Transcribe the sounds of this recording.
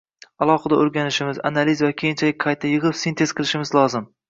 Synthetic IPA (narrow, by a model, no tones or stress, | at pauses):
alˠɒqɨd̪aoɾɡʲanɪʃɪmɪza̰nalizvakʲʰejɪnt͡ʃʰalɪk̚ʲqʰɑjt̪ʰːajɨʁɨpsint̪ʰe̞z̥qʰɨlˠɪʃɪmɪzlˠɒzɪm